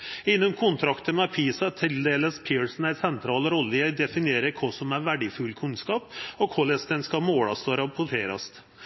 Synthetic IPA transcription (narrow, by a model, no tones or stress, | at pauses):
ɪnːʊmkʰʊnt̪ʰɾɑkt̪əmɛpʰiːsɑt̪ʰɪld̪eːləspʰɪːɹsn̩æɪsɛnt̪ʰɾɑːlɾɔlːəjæɪd̪ɛfɪnɪeːɾəɾkʰɔsɔmæʋæɖɪfʉlkʰʉnskɑːpɔkʰɔlɛsd̪ɛnskɑmoːɽɑst̪oːɾɑpʰʊʈʰeːɾɑ̰st̪